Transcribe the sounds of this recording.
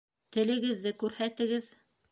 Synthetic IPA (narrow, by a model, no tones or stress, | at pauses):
t̪ɘ̆lɘ̆ɡɘ̆ðːɘkʉɾhæt̪ɘ̆ɡɘð